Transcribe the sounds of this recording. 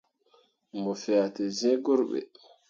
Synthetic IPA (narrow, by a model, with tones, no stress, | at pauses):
mɔ˨fa˨tɛ˨zɛ̃˦ɡɔ˦ɾɓɛ̰